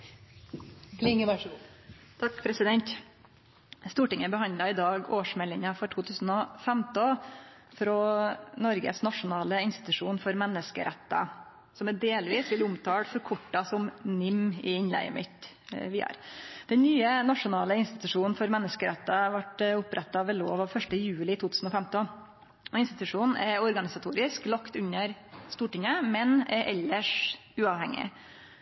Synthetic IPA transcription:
lɪŋəb | t̪ʰɑkːpʰɾɛsɪd̪ɛnt̪ | st̪uːʈɪŋːəbəhɑnd̪lɑɪd̪ɑːɡoːʂmɛlɪŋɑfɔʈʰuːt̪ʰʉːsn̩ɔfɛmt̪ɔfɾonɔɾɡə̰snɑʂʊnɑːləɪnst̪ɪ̥t̪ʉʂuːnfɔɾmɛnːəskə̰ɾʔɛt̪ːɑ̰ | sɔmɛd̪eːlʋiːsʋɪlʊmt̪ʰɑːɽfɔɾkʰʊʈːɑsɔmnʏmːɪɪnlæ̰ɪə̰mɪt̪ | ʋɪæ̰ɾd̪̥ɛnnːyːənɑʂʊnɑːləɪnst̪ɪt̪ʉʂuːnn̩fɔɾmɛnːəskəɾɛt̪ːɑʋɑʈʊpɾɛt̪ːɑʋɛloːʋɑʋfœʂʈəjʉːlɪt̪ʰuːt̪ʰʉːsn̩ɔfɛæmt̪ɔ | ɔɪnst̪ɪt̪ʉʂuːnn̩ɛ̰ɾɔɾɡɑnɪsɑt̪ʰuːɾɪsklɑkt̪ʉɲːəɾst̪uːʈɪŋəmɛnɛɾʔɛlːəʂ | ʉːɑːʋhɛŋːɪ̰

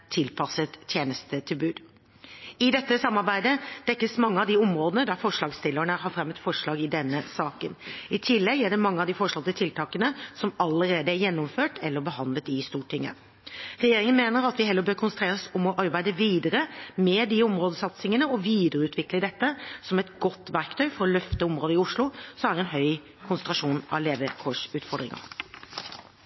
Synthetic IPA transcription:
t̪ʰɪlpʰɑsət̪ʰjeːnəst̪ət̪ʰɪlbʉːd̪ | ɪd̪ɛt̪ːəsɑmːɑɾbæɪd̪əd̪̥ɛkːəsmɑŋːəɑʋd̪iɔmɾoːd̪ənəd̪æɾfɔʂɭɑːɡst̪ɪlːəɳəhɑɾfɾɛmːət̪fɔʂɭɑːɡɪd̪ɛnːəsɑːkənɪt̪ʰɪlːɛɡæɖɛmɑŋːəɑʋd̪ifɔʂɭɑlt̪ət̪ʰɪlt̪ʰɑːkənəsɔmɑlːəɾeːd̪əæɾjɛnːɔmføːʈɛlːəɾbəhɑnd̪lət̪ɪst̪uːʈʰɪŋːə̰ | ɾɛjeːɾɪŋənmeːnəɾɑt̪ʋɪɦɛlːəɾbøːɾkʰʊnsn̩t̪ɾeːʁəsɔmɔʔɑɾbæɪd̪əʋiːd̪əɾəmɛd̪iɔmɾoːd̪əsɑt̪sɪŋənəɔʋiːd̪əɾəʉːt̪ʰʋɪkləd̪ɛt̪ːəsɔmɛt̪ɡɔt̪ːʋæɾkt̪ʰœʏfɔɾɔlœft̪əɔmɾoːd̪əɪʊʂlʊsɔmæɾɛnɦœʏ | kʰʊnsənt̪ɾɑʂuːnɑ̰ʋleːʋəkʰoːʂʉːt̪fɔɾɖ̪ɾɪ̰ŋɑ̰ɾ

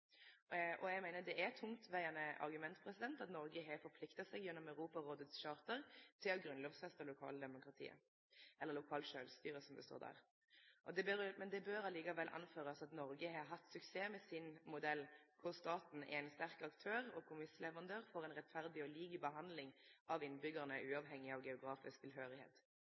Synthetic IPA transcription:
ʔɔɛɡmæɪnəd̪ɛʔæt̪ʰʊŋt̪ʋæɪɑnəɑ̰ʁɡʉmɛnt̪pʰɾɛsɪd̪ɛnt̪ɑt̪nɔɾɡəɦɛfɔɾpʰlɪkt̪ɑtsɛɡjɛnːɔmæʉʁuːpɑʁoːd̪ʉt̪sʃɑːʁt̪əʁt̪ʰɪlɔɡɾʉnloːʋsfɛst̪əlʊkʰɑ̰ːləd̪ɛmʊkɾɑt̪ʰḭːə̰ | ɛlːəɾlʊkʰɑːlʃøːlst̪yːʁəsɔmd̪ɛst̪o̰ːɾd̪æ̰ːʁ | ʔɔd̪ɛbmɛnd̪ɛbøːɾɑliːkɑʋɛlʔɑ̰nføːʁəsɑt̪nɔɾɡəhɑɦɑt̪sʉkseːmɛsɪnmʊd̪ɛlːkʰʊʁst̪ɑːt̪n̩ɛ̰ɛɪnst̪æʁkɑkt̪ʰøːʁɔkʰʊmɪslɛʋəʁɑnd̪øːʁfoːʁɛɪnʁɛt̪fæʁd̪ɪɔliːɡəbəɦɑnd̪lɪŋʔɑʋɪnbʏɡəʁnəʉːɑːʋɦɛŋːɪɑʋɡɛʊɡɾɑːfɪsk̚t̪ʰɪlɦøːɾɪhḛːt̪

